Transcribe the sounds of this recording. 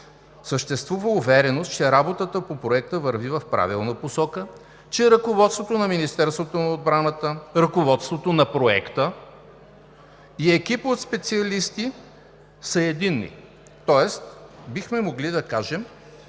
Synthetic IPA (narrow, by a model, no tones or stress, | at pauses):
səʃt̪ɛst̪vuvəuvɛɾɛnost̪t͡ʃɛɾabot̪ət̪əpopɾoɛk̚t̪əvəɾvivɐfpɾa̰vilˠnəposɔkə | t͡ʃɛɾɐkovɔt̪st̪vot̪onɐminist̪ɛɾst̪vot̪onɐod̪̚bɾanət̪əɾɐkovɔt̪st̪vot̪onɐpɾoɛ̰kt̪ə | iɛkʲipot̪spɛt̪siɐlist̪i | səɛd̪inːḭ | t̪ɔɛst̪bixmɛmoɡlid̪ɐkaʒɛm